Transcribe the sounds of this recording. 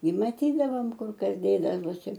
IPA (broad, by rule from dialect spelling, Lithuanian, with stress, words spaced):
ɪ mɐˈtʲiːdɐʋoːm ˈkʊr ˈkɐs ˈdʲeːdɐʋoːsʲɪ